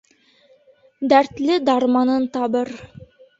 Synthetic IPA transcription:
d̪æɾt̪lɘd̪ɑɾmɑnɤnt̪ɑbɤɾ

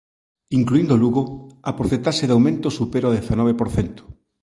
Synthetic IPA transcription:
iŋkluind̪oluɣoapɾoθet̪aʃeðawmẽnt̪osupeɾaoðeθanɔβepoɾθent̪o̥

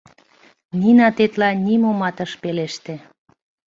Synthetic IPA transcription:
ninɑt̪et̪lɑnʲimomɑt̪əʃpeleʃt̪e

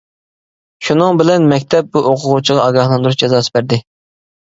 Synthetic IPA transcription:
ʃunɨŋbɪlɛnmɛkʲt̪ʰɛp̚buʔoqʰʊʁut͡ʃʰiʁɑɑɡɑhlˠɑnd̪uɾuʃd͡ʒɛzɑːsɨ̥bæɾd̪ɪ

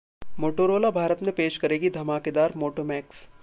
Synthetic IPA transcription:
moːʈoːɾoːlabʱaːɾət̪mẽpeːʃkɐɾeːɡid̪ʱɐmaːked̪aːɾmoːʈoːmɛːks

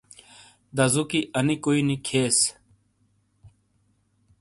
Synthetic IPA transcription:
d̪ɐzukiʔɐnikoinikʰeːs

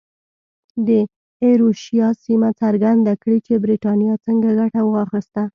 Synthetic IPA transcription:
d̪ə | eɾoʃijɑsimat͡saɾɡand̪akɽit͡ʃebɾiʈɑnjɑt͡səŋɡaɡaʈawəɣɑxist̪a

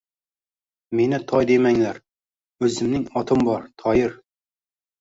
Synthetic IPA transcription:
me̞nɪt̪ʰɒjd̪emæŋlæɾ | ɵzɪmnɪŋɒt̪ʰɨmbɒɾt̪ʰɒjɪɾ

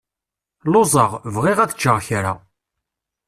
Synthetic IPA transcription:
lozˤəʁvʁɪʁæðət͡ʃːəʁçɾa̰

